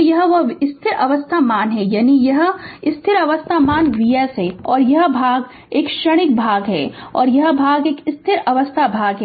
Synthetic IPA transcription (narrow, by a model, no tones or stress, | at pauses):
jɐɦʋɐɪst̪ʰɪɾɐʋəst̪ʰamaːnɦɛjaːnijɐɦɪst̪ʰɪɾɐʋəst̪ʰamaːnʋijəsɦɛɔːɾjɐɦbʱaːɡ | eːkʃɐɽ̃ɪk̚bʱaːɡɦɛːɔːɾjɐɦbʱaːɡeːkɪst̪ʰɪɾɐʋəst̪ʰabʱaːɡɦɛː